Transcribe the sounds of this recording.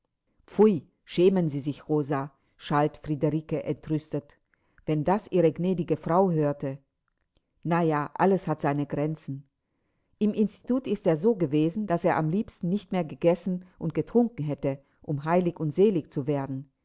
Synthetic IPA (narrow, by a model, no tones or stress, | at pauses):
p͡ful | ʃɛːmənziːzɪçʁoːza | ʃaltfʁ̥idəʁiːkəʔɛntʁʏstət | vɛndasʔiːʁəɡnɛːdɪɡəfʁ̥aʊɦøːɐtə | najaːʔaləshatz̥aɪnəɡʁɛnt͡sn̩ | ʔɪmʔɪnsti̥tʰuːtɪsteːɐzoːɡəveːzn̩d̥aseːɐʔamliːpstn̩nɪçtmeːɐɡəɡɛsn̩ʔʊnt̚ɡ̥ətʁ̥ʊŋkŋ̩ɦɛtə | ʔʊmɦaɪlɪçʊntz̥eːlɪçt͡suveːɐdn̩